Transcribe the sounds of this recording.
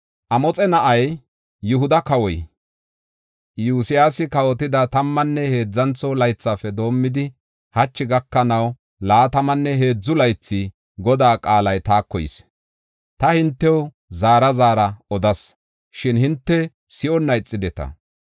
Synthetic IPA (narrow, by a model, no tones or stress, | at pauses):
ʔɐmɔt͡sʼɛnɐʔɐj | jʊɦʊd̪ɐkɐwɔj | juːsɪjaːsɪkɐwɔt̪ɪd̪ɐt̪ɐmːɐnːɛhe̞ːd͡zːɐnt͡sɔlɐjt͡sːafɛd̪o̞ːmːɪd̪ɪ | hɐt͡ʃːɪɡɐkːɐnɐw | laːt̪ɐmɐnːɛɦe̞ːd͡zːʊlɐjt͡sːɪ | ɡɔd̪aːkʼaːlɐjt̪aːkːɔjɪ̰s | t̪ɐhɪnt̪ːɛw | zaːɾɐzaːɾɐɔd̪ɐs | ʃɪnhɪnt̪ːɛ | sɪʔɔnːɐjt͡sʼːɪd̪ɛt̪ɐ̰